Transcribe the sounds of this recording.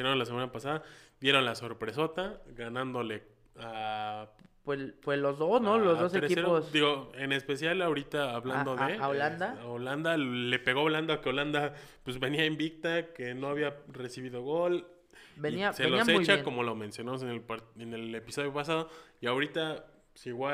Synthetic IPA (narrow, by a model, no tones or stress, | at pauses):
inolasemanapasaðad̥je̞ɾo̞nlaso̞ɾpɾe̞so̞t̪aɣanãnd̪o̞le̞ | a | pwepweslozðosnolozððoseɾeieɾosd̪iɣo̞e̞ne̞spe̞sjalaoɾit̪aːβland̪o̞ðeaoland̪aaoland̪ale̞pe̞ɣo̞aβland̪okeoland̪apwezβe̞niaembik̚t̪ake̞no̞aβiare̞siβiðo̞ɣo̞l | beiiaseloaset͡ʃako̞mo̞lo̞mẽ̞nsjo̞namos̬eneenele̞piso̞ðjo̞pasað̞oiawɾit̪a | siɣwa